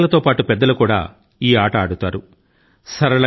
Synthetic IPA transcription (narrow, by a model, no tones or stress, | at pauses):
lɐt̪o̞ːpaːʈupɛd̪ːɐlukuːɽa̰ː | iːaːʈɐːɽut̪aːɾu | sɐɾɐlɐ